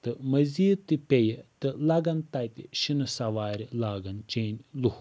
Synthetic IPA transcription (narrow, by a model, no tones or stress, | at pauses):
t̪ɨmɐziːt̪ːɨpʲejət̪ɨlɐɡɐnt̪ɐjt̪iʃinɨsɐʋaːɾilaːɡɐnt͡ʃeːnʲluh